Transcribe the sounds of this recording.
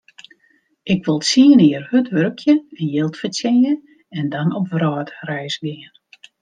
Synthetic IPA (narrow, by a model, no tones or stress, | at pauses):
ʔɪkʋɪlˠsiənɪərhøtʋøɾkʰjəvjɪlˠtfətɛjə | ɛndɔnɔpʋrɔːtrɛjsɡɪən